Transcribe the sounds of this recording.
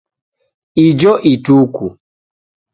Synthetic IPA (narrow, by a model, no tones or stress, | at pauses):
id͡ʒɔʔituːku